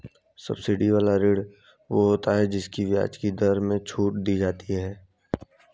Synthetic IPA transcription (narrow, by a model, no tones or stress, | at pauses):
sɐ̰bsɪɖiʋaːlaɾɪːɽ | ʋoɦoːt̪aɦɛd͡ʒɪskiʋja̰ːt͡ʃkid̪əɾmẽt͡ʃʰuːʈ̚d̪iːd͡ʒaːt̪iɦɛː